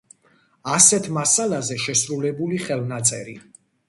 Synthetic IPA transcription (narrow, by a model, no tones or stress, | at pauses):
asɛt̪ʰmasalazɛʃɛsɾulɛbuliχɛlˠnat̪sʼɛɾi